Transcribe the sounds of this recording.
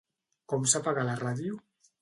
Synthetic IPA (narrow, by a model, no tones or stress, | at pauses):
kɔmsapaɣalaraðju